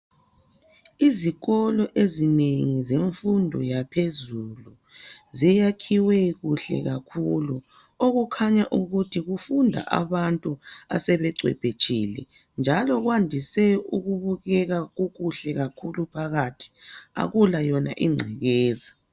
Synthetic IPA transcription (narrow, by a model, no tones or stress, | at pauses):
iziɣɔlɔʔezineŋizeɱfundʱɔ̰japʰezulu | zijakʰiwɛɣuɬɛ̰ɣakʰulu | oɣukʰaɲaʔuɣutʰiɣufundʱa̰ʔa̰βantʼua̰sɛβɛǀʱwɛ̰b̥ʱet͡ʃʰʼilɛ̰ | nd͡ʒʱalɔɣwandʱisɛuɣuβuɣɛɣaɣuɣuɬɛɣakʰulupʰaɣatʰi̥a̰ɣulajɔna̰ʔiŋ͡ǀʱɛɣɛːza